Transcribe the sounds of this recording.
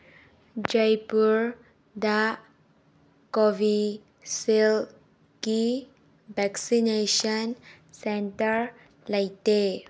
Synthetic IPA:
d͡ʒajpuɹ | daʔ | kɔvi | sil | ki | bɛksineʃɔ̃n | sɛ̃ntəɹ | lajte

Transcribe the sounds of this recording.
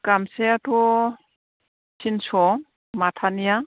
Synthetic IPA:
kamseatʰɔ | sʰinsɔ | matʰanija

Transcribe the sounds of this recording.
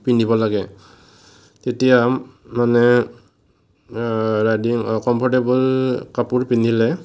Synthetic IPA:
pinibɔlaɡɛ | tetijamː | anɛ | ɹajdiŋkɔmpʰɔɹtebɔlkapuɹpinʱilɛ

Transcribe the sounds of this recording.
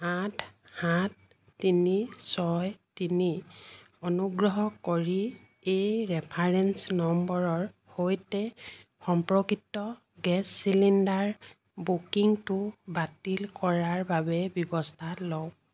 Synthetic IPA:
atʰhatː | inisɔjtini | ɔnuɡɹɔɦɔkoɹi | ejɹɛpʰaɹɛnsnɔmbɔɹɔɹ | hojtɛxɔmpɹɔkitːɔ | ɡɛsːilindaɹ | bukiŋtʊbatilkɔɹaɹbabɛbjɔbɔstʰalɔw

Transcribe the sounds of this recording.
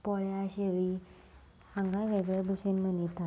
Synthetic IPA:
pɔɭjaɕeʋi | ãŋɡajʋeɡɭəbəsinmənit̪a

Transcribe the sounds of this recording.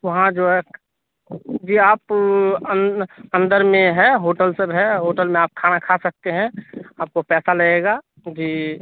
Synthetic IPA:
ʋɐɦãd͡ʒoːɦɛ | d͡ʒiːaːpəə̃nd̪əɾmẽɦɛɦoːʈəlsəbɦɛɦoːʈəlmẽaːp̚kʰaːnakʰasɐk̚t̪eɦɛ̃aːp̚kopɛːsaləeːɡa | d͡ʒiː

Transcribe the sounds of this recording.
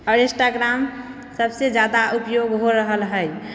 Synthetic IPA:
əɾesʈaɡɾam | səbsed͡ʒad̪aʔupjoɡɦoɾəɦəlɦəj

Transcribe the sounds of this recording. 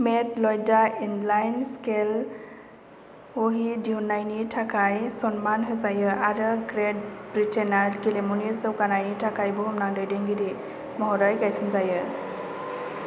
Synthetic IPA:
metlɔjdainlajnskel | oɦidiunajnitʰakʰajsɔnmanɦɯzajɯʔaɾɯɡɾedbɾitʰenaɾɡilemunizɯwkanajnitʰakʰajbɯɦɔmnaŋdɯjdeŋɡiɾi | mɔɦɔɾɔjɡajsɯnzajɯ

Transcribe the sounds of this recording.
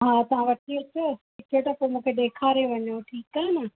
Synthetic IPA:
ɦaːt̪ɐʋ̤ãʋɐʈʰiɐt͡ɕo | ikoʈ̪ɐpomũːkʰeɗ̪eːkʰaːɾeʋɐɲoʈʰiːkːanɐ

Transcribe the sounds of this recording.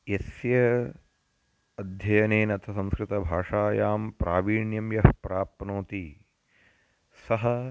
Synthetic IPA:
jɐsjɐ | ɐd̪ʱjɐjɐneːnɐt̪ʰɐsɐ̃mskɾɪt̪ɐbʱaːʂaːjaːmpɾaːʋiːɳjɐmjɐɦpɾaːpnoːt̪i | sɐɦɐ

